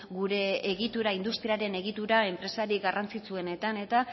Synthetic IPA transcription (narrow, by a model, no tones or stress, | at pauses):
ɡuɾe̞ːɣ̞it̪uɾaind̪ust̪ɾiaɾe̞ne̞ɣ̞it̪uɾae̞mpɾe̞saɾiɡarʔant͡sit͡sue̞ne̞t̪ane̞t̪a